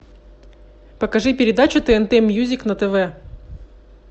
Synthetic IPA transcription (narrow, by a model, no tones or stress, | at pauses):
pəkɐʐɨpʲɪɾʲɪd̪at͡ɕʊt̪ɛɛnt̪ɛmʲjuzʲɪknɐt̪ɛvɛ